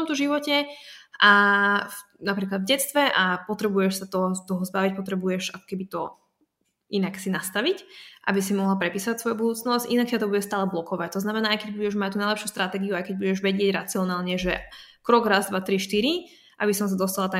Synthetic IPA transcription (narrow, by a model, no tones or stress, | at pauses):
ɔmt̪ɔʒiʋɔcɛa | napɾiːklad̪vɟɛt͡st̪ʋɛʔapɔt̪ɾɛbujɛʃsat̪ɔɦst̪ɔɦɔzbaʋic̚pɔt̪ɾɛbujɛʃakɔ̥kɛbit̪ɔ | ʔinaksinast̪aʋicʔa̰bis̬imɔɦlapɾɛpiːsɔacsʋɔjubud̪uːt͡snɔscʔinak̚cat̪ɔbuɟɛst̪aːlɛblɔkɔʋact̪ɔznamɛnaːajkɛɟ̚buɟɛʒmac̚t̪uːnajlɛpʃjust̪ɾat̪ɛːɡiuajkɛɟ̚buɟɛʒʋɛɟɪɛɟɾa̰t͡siɔnaːlɲɛʒɛ | kɾɔɡɾazd̪ʋat̪ɾiʃt̪iɾi | ʔa̰bisɔms̬ad̪ɔst̪alat̪a